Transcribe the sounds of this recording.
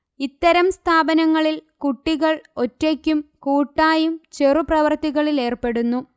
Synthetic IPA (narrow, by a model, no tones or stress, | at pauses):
it̪ːɐɾɐmst̪ʰaːbɐnɐŋːɐɭilkuʈːiɣɐɭo̞tːekʲːumkuːʈːaːjumt͡ɕe̞ruprɐʋɐrt̪iɣɐɭile̞ːrpe̞ɽunːu